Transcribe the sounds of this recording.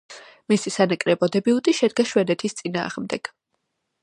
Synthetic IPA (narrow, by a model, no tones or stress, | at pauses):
misisanakʼɾɛbɔd̪ɛbiut̪ʼiʃɛd̪̚ɡaʃwɛnɛt̪ʰist̪sʼina̰ːʁmd̪ɛɡ̥